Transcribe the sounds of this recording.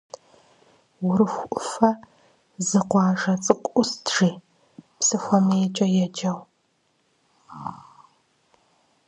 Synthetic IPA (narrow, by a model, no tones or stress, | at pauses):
wʊɾɨxʷʔʊfɐ | zɨqʷɑːʒɐt͡sʼɨqʷʼʊstʰʒ̥iː | psɨxʷɔmɐjɛt͡ʃʼɐjɛd͡ʒɐw